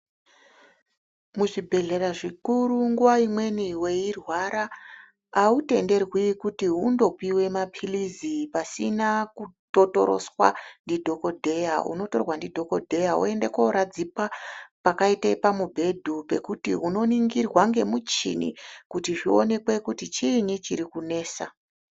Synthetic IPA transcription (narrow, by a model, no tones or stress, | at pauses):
muʐibʱe̞ɮe̞ɾaʐikuɾuŋɡuwaimwe̞niwe̞irwaɾaː | ute̞nde̞rwikutiɦundo̞piwe̞mapʰilizipasinakutoto̞̰ɾo̞̰swa̰ndidʱo̞ko̞dʱe̞jaṵno̞to̞rwandidʱo̞ko̞dʱe̞jaṵe̞ndekoɾad͡zipapakaitepamubʱe̞dʱupe̞kutḭɦuno̞niŋɡirwaŋɡe̞mut͡ʃḭnḭkutiʐio̞̰ne̞kwe̞kutit͡ʃinit͡ʃiɾikune̞ːsa